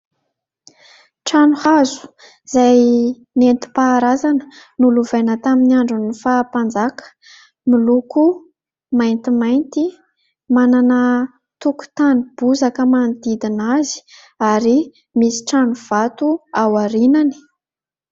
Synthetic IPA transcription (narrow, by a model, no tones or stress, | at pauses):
ʈ͡ʂanuhazu̥ | z̥aj | nent̪i̥paːɾazanə̥nuluvenət̪aminaɳɖ͡ʐunifapand͡zakə̥ | miluku | majnt̪imajnt̪i | mananə | t̪uku̥t̪anib̥uzakəmand̪id̪inazi̥ | aɾi | misi̥ʈ͡ʂanuv̥at̪uawaɾinani̥